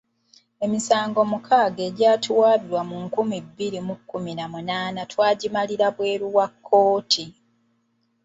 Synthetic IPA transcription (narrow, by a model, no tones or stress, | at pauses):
e̞misaːŋɡo̞mukʰaːɡe̞ːɟaːtʰuwaːβiɾwamuŋkumibːiɾimukːuminamunaːnatwaːɟimaliɾaβwe̞ːɾuwakʰːo̞ːtʰi